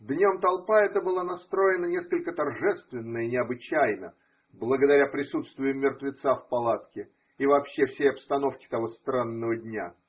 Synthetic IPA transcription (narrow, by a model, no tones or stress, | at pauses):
d̪nʲomt̪ɐlˠpaɛt̪əbɨlˠanɐst̪ɾo̞ɪnənʲeskəlʲkət̪ɐrʐɛst̪vʲɪnːəɪnʲɪɐbɨt͡ɕæjnə | blˠəɡəd̪ɐɾʲapɾʲɪsut̪st̪vʊjɪmʲːɪrt̪vʲɪt̪safpɐlˠat̪kʲɪ | ivɐːpɕːefsʲejɐpst̪ɐno̞fkʲɪ̥t̪ɐvo̞st̪ɾanːəvədʲnʲa